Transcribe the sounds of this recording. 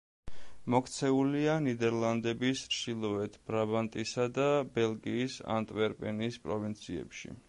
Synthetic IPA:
mɔkʰt̪sʰɛulianid̪ɛɾlˠand̪ɛbisʃilˠɔɛt̪ʰb̥ɾabant̪ʼisad̪abɛlˠɡiːsa̰nt̪ʼvɛɾpʼɛnispʼɾɔvint̪sʰiɛ̰pʃḭ

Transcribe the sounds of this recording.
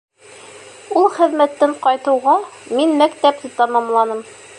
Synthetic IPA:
ulˠχɘ̆ðmæt̪ːɘɴqɒjt̪ɤ̆wʁɑminmækt̪æp̚t̪ɘt̪ɑmɑmlˠɑnɤm

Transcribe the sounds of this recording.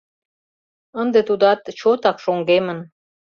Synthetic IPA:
ənd̪et̪ud̪ɑt̪t͡ɕot̪ɑkʃoŋɡemə̆n

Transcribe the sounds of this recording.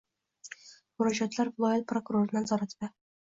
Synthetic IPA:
mʊɾɒd͡ʒat̪laɾvɪlˠɒjalpɾokʊɾoɾɪnɪnazɒɾat̪b̪ɪ

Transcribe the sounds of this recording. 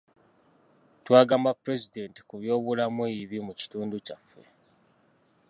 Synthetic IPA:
twaːɡaːmbapɾe̞zide̞ːnti̥kuβjo̞ːβulamweiβimuci̥tuːnducafːe̞

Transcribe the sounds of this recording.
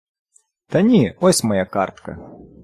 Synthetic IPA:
t̪ɐnʲiɔsʲmɐjaka̰rt̪kɐ̰

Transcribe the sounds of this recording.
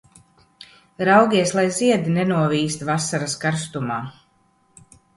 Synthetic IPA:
ɾawɡʲiɛslˠajziɛd̪inɛnuɔviːst̪vasaɾaskaɾst̪umaː

